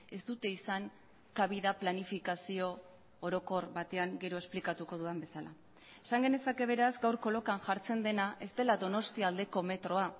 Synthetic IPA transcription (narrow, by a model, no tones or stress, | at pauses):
e̞st̪ut̪e̞isaŋ | kaβ̞iðaplanifikasio̞ | oɾo̞ko̞rβat̪e̞aŋɡe̞ɾo̞e̞splikat̪uko̞ðuambe̞sala̰ | e̞saŋɡe̞ne̞sake̞β̞e̞ɾazɡawɾko̞lo̞kaŋʝaɾt͡se̞nd̪e̞naʔe̞zt̪e̞laðo̞no̞st̪iaːld̪e̞ko̞me̞t̪ɾo̞a